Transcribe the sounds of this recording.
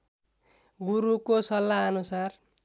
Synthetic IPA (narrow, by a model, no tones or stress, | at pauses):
ɡuɾukosʌlːaʌnusar